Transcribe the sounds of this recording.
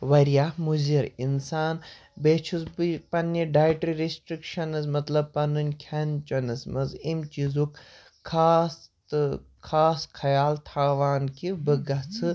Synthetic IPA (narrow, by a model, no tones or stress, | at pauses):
ʋɐɾjamuziɾinsaːn | beːt͡ʃʰuzbipɐnːiɖaːjʈɾiɾisʈɾikʃɐnɨzmɐt̪lɐb̚pɐnunʲkʰɐnt͡ʃɐnɨsmɐzimt͡ʃizukʰː | aːst̪ | kʰaːskʰɐjaːlt̪ʰaːʋaːnkʰibɨɡɐt͡sʰɨ